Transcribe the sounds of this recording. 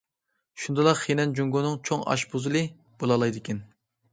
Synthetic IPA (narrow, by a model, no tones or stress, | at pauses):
ʃund̪ɨlˠɑqχenɛnd͡ʒuŋɡonɨŋt͡ʃʰoŋɑ̰ʃbozɨlˠɨ | b̥olˠɑlˠɑjd̪ɪkʲʰɛn